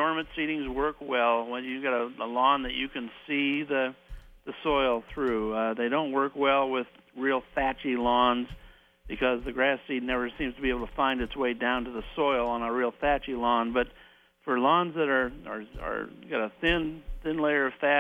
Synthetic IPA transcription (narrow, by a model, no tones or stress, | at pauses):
dɔɹmɨ̃ntsiɾɪ̃ŋzwɜ˞kwɛlˠwə̃njɨɡɑɾəəlɔ̃nðɨt͡ʃɨkɨ̃nsiðɨðɨsɔɪlˠθɹʉðeɪɾõʊ̃nʔwɜ˞kwɛlˠwɪð̥ | ɹilˠfæt͡ʃilɔ̃nz | b̥ɨkʰʌzðɨɡɹæsidⁿnɛvə˞sĩmz̥tʰəbieɪbl̩ˠtʰəfãɪ̃ndɨtsweɪdãʊ̃ntɨðəsɔɪlˠə̃nəɹilˠfæt͡ʃilɔ̃nbʌt | fə˞lɔ̃nzðɨɾə˞ə̰˞ə̰˞ɡɑɾɨθɪ̃nθɪ̃nleɪə˞ʌv̥fæ